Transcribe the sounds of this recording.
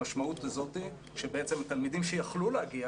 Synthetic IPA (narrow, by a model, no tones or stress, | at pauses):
aʃmaut̪azo̞t̪i | ʃebeet͡semat̪almidimʃejaχluleaɡia